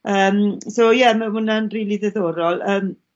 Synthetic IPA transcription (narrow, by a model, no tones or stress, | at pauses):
əːmsojɛməhʊnanriːliðɛðoːɾɔlˠəːm